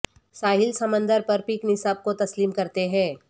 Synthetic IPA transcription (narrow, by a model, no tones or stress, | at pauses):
saːɦɪlsɐmə̃nd̪əɾpɐɾpiːknɪsaːb̚kot̪ɐsliːmkɐɾt̪eɦɛ̃ː